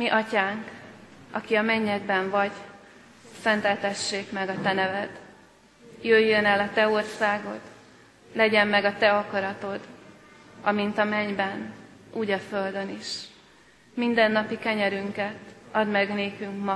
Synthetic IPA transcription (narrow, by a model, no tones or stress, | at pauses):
miʔɒcaːŋk | ɒkiɒmɛɲːɛɡbɛɱvɒɟ | sɛnt̪ɛlt̪ɛʃːeːkmɛɡɒt̪ɛnɛvɛd̪ | jøjːønɛlɒt̪ɛo̞rsaːɡo̞̰d̪ | lɛɟɛmːɛɡɒt̪ɛɒkɒɾɒt̪o̞d̪ | ɒmint̪ɒmɛɲbɛnʔuːɟɒføld̪ø̞niʃ | mind̪ɛnːɒpikɛɲɛɾyŋkɛt̪ɒd̪mɛɡneːkyŋkmɒ